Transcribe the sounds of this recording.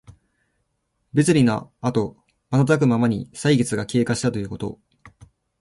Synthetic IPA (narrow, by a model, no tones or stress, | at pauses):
be̞t͡sɨɾʲino̰at̪o̞ | manat̪ak̬ɯ̟mamaɲ̟isaiɡe̞t͡sɨɡakʲe̞ːkaɕi̥t̪at̪o̞jɯ̟kot̪o̞̰